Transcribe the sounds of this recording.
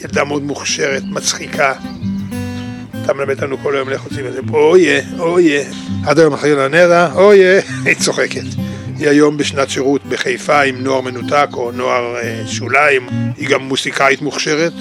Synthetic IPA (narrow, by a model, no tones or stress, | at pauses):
jeld̪ameot̪muχʃeʁet̪mat͡sχikʰa | t̪ʰamelamed̪lanuko̞lajomleχot͡simezeojeoje | ad̪ajo̞maχilanedaojeit͡so̞χeket̪hiajo̞mbeʃnatʃeʁut̪beχejfaimnoaʁmenutako̞noaʁʃulaimhiɡamːusikait̪muχʃeʁet̪